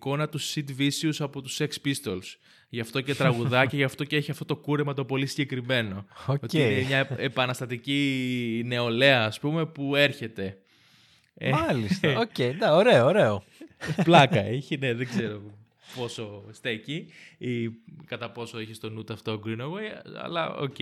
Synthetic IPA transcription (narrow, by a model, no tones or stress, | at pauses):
ko̞nɐt̪usid̪visiusɐpo̞t̪usekspist̪o̞ls | ʝɐft̪o̞ce̞t̪ɾɐɣuðɐcɐʝɐft̪o̞ceeçiɐft̪ot̪o̞kuɾe̞mɐt̪o̞po̞lisiɟe̞kɾime̞no̞ootinemɲɐepɐnɐst̪ɐt̪icine̞o̞le̞ɐːspume̞pue̞ɾçe̞t̪e̞ | emɐlist̪ocejd̪ɐoɾe̞oɾeo | plɐkɐiçine̞ðeɡze̞ɾo̞ | po̞so̞st̪eciikɐt̪ɐpo̞so̞içist̪o̞nut̪ɐft̪o̞ɡɾinoɣejɐ̰lɐ̰o̰ce